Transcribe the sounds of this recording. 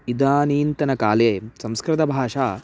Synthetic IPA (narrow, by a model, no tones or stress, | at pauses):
id̪aːniːnt̪ɐnɐkaːleːsɐ̃mskɾɪt̪ɐbʱaːʂaː